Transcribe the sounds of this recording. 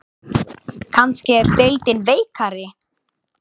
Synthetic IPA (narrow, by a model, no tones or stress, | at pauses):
kʰanscɪɛɾ̥t̪ejlt̪ɪnveːjkʰaɾɪ